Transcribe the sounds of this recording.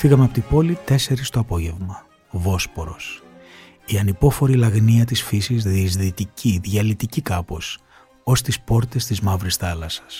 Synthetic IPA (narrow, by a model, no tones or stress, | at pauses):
fiɣɐmeɐpo̞t̪ibo̞lit̪e̞se̞ɾist̪o̞ɐpo̞ʝe̞vmɐ | vo̞spo̞ɾo̞s | iɐnipo̞fo̞ɾilɐɣniɐt̪isfisizðizðit̪iciðʝɐlit̪icikɐpo̞s | o̞st̪ispo̞ɾt̪e̞st̪izmɐvɾisθɐlɐsɐ̥s